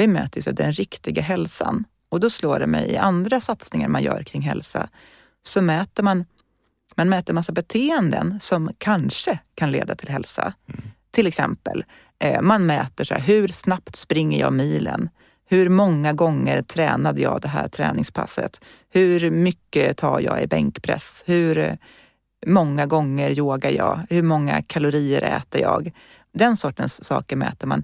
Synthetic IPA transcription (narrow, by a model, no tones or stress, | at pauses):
vɪmøːt̪əɾsɛd̪ɛnɾɪkt̪ɪɡaɦɛlsan | ɔd̪ɔsloːɖɛmɛjɪʔand̪ɾasat̪snɪŋaɾmanjœ̰ːɾkʰɾɪŋːɦɛlsa | sɔmɛːt̪əɾman | manmɛːt̪əɾmasːabɛt̪ʰeːənd̪ənsɔmkʰanʂəkʰanlḛːd̪at̪ʰɪlɦɛlsat̪ʰɪlɛksɛmpə̰l | manmɛːt̪əʂæɦɵɾsnapt̪spɾɪŋːəjɑ̰ːmiːlə̰n | hɵɾmɔŋːaɡɔŋːəɾt̪ʰɾɛːnad̪əjɑːd̪ɛɦæːʈ̪ʰɾɛ̰ːnɪŋspʰa̰sːə̰t̪ | hɵɾmʏkːət̪ʰɑːjɑːɪbɛŋkpʰɾɛ̰shɵɾ | mɔŋːaɡɔŋːəɾjoːɡajɑːhɵɾmɔŋːakʰalʊɾiːəɾɛ̰ːt̪əjɑːɡ | d̪ɛnsɔʈːənsːɑːkəmɛːt̪əɾman